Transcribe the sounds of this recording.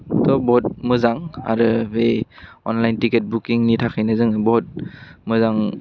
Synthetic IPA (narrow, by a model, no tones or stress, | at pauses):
tɔbɔt̚mɯzaŋa̰ɾɯbeɔnlajntiket̚bukiŋnitʰakʰɯjnɯzɯŋbɔt̚mɯzaŋ